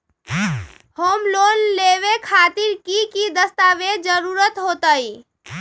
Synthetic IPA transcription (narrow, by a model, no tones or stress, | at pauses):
homlonleʋekʰat̪iɾkikid̪əst̪aʋed͡ʒəɾuɾət̪ɦot̪əj